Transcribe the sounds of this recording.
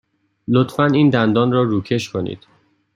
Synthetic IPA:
lot̪fæniːnd̪ænd̪ɒːnrɒːruːcʰe̞ʃkʰonḭːd̪̥

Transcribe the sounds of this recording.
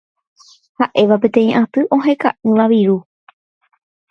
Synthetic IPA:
haʔe̞ʋapẽ̞t̪ẽ̞ĩʔãt̪ɨʔõ̞ɦe̞ka̰ʔɨ̃ʋaʋiɾu

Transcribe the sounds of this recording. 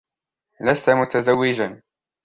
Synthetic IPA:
last̪amʊt̪azawːɪd͡ʒan

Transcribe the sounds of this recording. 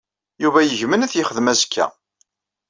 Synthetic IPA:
juvæjəʝmənæθjəχəðmæzəkʰːæ̰

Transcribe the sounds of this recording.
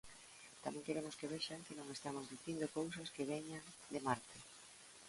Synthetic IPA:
t̪amɛ̃ŋkeɾemoskeβɛʃaŋkenõŋest̪amozðiθind̪okowsɐskeβ̞eɲaŋ | d̪emaɾt̪ʰɪ

